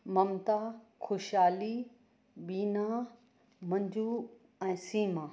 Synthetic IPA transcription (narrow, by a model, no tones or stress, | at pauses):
mɐmt̪akʰoʃaːli | ɓiːna | mɐ̃ɲd͡ʑʱuː | ɛ̃ːsiːmãː